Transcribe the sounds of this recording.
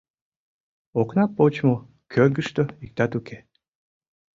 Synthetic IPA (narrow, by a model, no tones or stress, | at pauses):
oknɑpot͡ɕmo | kʰøɡəʃt̪oik̚t̪ɑt̪ukʰe